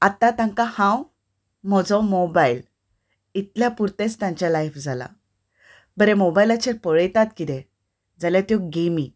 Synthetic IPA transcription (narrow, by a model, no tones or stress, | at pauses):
at̪ãt̪ãŋkahãw | m̤ɔd͡zɔ̃mobail | it̪ljapuɾt̪et͡st̪ãɲt͡ɕjalajfd͡zʱala̰ | bəɾemobajlat͡ɕʰeɾpəɭəjt̪at̪kit̪ẽ | d͡zaljat̪jɔɡemi